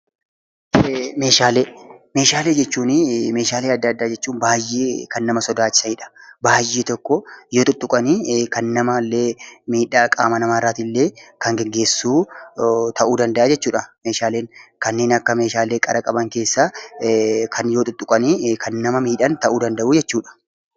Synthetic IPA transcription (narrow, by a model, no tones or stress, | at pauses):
me̞ːʃaːleːme̞ːʃaːle̞ːd͡ʒɛt͡ʃːuːnɪme̞ːʃaːle̞ːɐd̪ːɐɐd̪ːaːd͡ʒɛt͡ʃːuːnbaːjːeːkɐnːɐmɐsɔd̪aːt͡ʃːɪ̥sɐɪᶑɐ̥baːjeːt̪ɔkːɔjoːt̪ʼʊt̪ʼːʊkʼɐniːkɐnːɐmɐlːeːmiːᶑaːkʼaːmɐnɐmaːɾaːt̪ilːe̞ːkɐŋɡɛɡːe̞ːsːuː | t̪ɐʔuːd̪ɐnd̪ɐʔaːd͡ʒɛt͡ʃːuːᶑɐmeːʃaːle̞ːŋkɐnːe̞ːnɐkːɐme̞ːʃaːleːkʼɐɾɐkʼɐbɐŋke̞ːsːa | kʰɐnjoːt̪ʊt̪ʼːʊkʼɐniːkʰɐnːɐmɐmiːᶑɐnt̪ɐʔuːd̪ɐnd̪ɐʔuːd͡ʒɛt͡ʃːuːᶑɐ̥